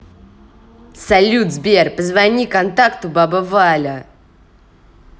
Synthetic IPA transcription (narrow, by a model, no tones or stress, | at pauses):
sɐlʲud̪zbʲerpəzvɐnʲikɐnt̪akt̪ʊbabəvalʲə